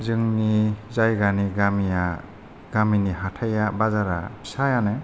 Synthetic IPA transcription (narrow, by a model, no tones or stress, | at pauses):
zɯŋnizajɡaniɡamija | ɡ̥aminiɦatʰajabazaɾa̰bi̥sajanɯ